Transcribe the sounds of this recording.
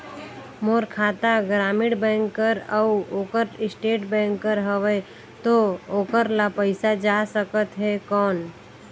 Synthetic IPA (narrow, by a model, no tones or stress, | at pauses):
moːɾkʰaːt̪aɡɾaːmɪɽbɛ̃ːŋkːəɾəoːkəɾɪsʈeːʈbɛ̃ːŋkːəɾɦəʋe | t̪ooːkəɾlapəɪsad͡ʒasəkət̪ɦɛkɔːn